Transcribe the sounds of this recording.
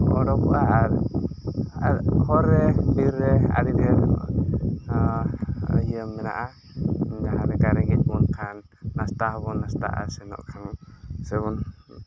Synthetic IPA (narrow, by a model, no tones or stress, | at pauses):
ɔɽɔkɔ̰ʔaaɾ | hɔɾɛbiɾːɛa̰ɾidɛɾ | ɦijəmːɛna̰ʔa | daɦaɾɛkaɾɛɡɛt̚bɔnkʰanː | ast̪ahɔβɔnast̪a̰ʔa̰sɛnɔ̰ʔkʰansɛβɔn